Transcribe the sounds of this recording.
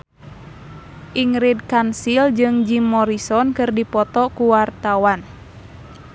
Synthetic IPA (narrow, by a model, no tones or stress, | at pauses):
ʔiŋɾid̚kansild͡ʒɨŋd͡ʒimɔɾisɔnkɨrdipɔt̪ɔkuwart̪awan